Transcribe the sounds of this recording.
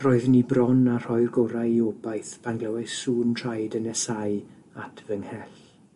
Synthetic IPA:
rɔɨðnibrɔnar̥ɔjrɡɔɾajiobajθb̥anɡlɛwɛsuːntʰr̥ajdənɛsaj | atʰvəŋhɛɬ

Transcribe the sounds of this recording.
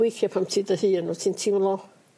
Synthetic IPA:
ejθjapʰamtʰiːdəhɨːənutʰintʰiwlˠɔ

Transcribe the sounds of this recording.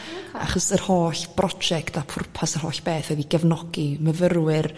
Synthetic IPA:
a̰χɔsərhoːɬb̥rɔ̥d͡ʒɛktʰapʰʊrpʰasər̥hoːɬb̥eːθwɛðiɡəvnɔɡ̥iməvərwɪr

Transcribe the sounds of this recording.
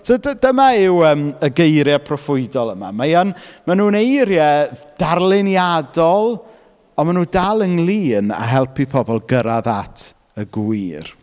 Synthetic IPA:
sʰodədəmaɪwəːməɡejɾjapʰrɔfʊɨdɔlˠəma̰majanmanuːnejɾjɛd̥arlˠɪnjadɔlˠ | ɔmanuːdalˠəŋlˠiːna̰ɦɛlˠpipʰɔbɔlˠɡəɾaðatʰ | əɡiːr

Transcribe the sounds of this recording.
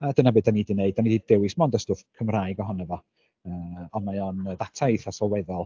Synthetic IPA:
adənabɨːdanidineɨd̚anididdɛwɨsmɔndəstʊfkʰəmraːjɡɔɦɔnavɔ | əːɔnmajɔnədatʰajθasɔlˠwɛðɔlˠ

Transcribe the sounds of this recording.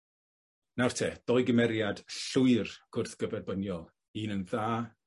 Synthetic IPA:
nawrtʰeːd̥ɔɨɡəmɛɾjad̥ɬʊɨrɡ̥ʊrθɡ̥əvɛrbənjɔlˠ | iːnənðaː

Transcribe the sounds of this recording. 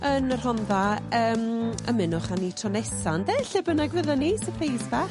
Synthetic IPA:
ənər̥hɔnðaəːmə̰mɪnʊχanitʰrɔnɛsandɛɬɪbənaɡvəðɛnisəpʰrejsbɛ

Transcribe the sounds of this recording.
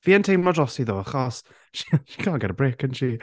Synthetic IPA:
viːəntʰejmɔdrɔsiðoːəχɔs | ʃi̥ʃi̥kʰaːnɡɛɾəbrɪkənʃi

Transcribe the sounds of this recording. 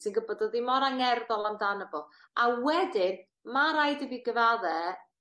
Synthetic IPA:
sinɡəbɔdɔðimɔɾaŋɛrðɔlˠamdanəbɔ | awɛdɪn | maɾajdəviɡəvaðɛ

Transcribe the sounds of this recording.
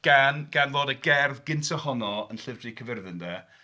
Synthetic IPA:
ɡ̥anɡ̥anvoːdəɡɛrðɡɪntʰɔhɔnɔənɬɪvdrikʰəvɪrðɪndɛ

